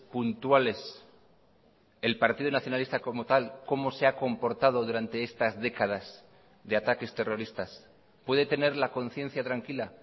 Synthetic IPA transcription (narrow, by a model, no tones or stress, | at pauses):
punt̪wale̞s | e̞lpaɾt̪iðunaθjonalist̪ako̞mo̞t̪alko̞mo̞se̞ako̞mpo̞ɾt̪að̞o̞ðuɾant̪e̞est̪azðe̞kað̞az | ðe̞at̪ake̞st̪e̞ro̞ɾist̪as | pwe̞ð̞e̞t̪e̞ne̞ɾlako̞nθje̞n̟θjat̪ɾaŋkila